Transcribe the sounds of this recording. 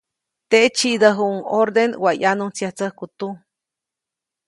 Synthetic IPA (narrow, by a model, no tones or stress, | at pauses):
t̪et͡ʃiʔd̪əɦuʔuŋoɾd̪enwajanunt͡sjaht͡səhkut̪u